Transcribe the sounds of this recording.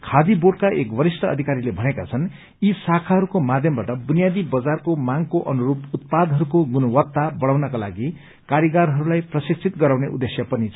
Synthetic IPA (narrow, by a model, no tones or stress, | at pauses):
kʰad̪iboɖkaʔekbʌɾisʈʰʌʌ̰d̪ʱikaɾilebʱʌnekat͡sʰʌn | isakʰaɦʌɾukomad̪ʱjʌmbaʈʌbunijad̪ibʌd͡zarkomaŋɡkoʔʌnuɾuput̪̚pad̪ɦʌɾukoɡunʌwʌt̪abʌɽ̃awnʌkala̰ɡi | kaɾjiɡaɾɦʌɾulajprʌsikt͡sʰit̪ɡʌɾawneʔud̪ːesjʌpʌnit͡sʰ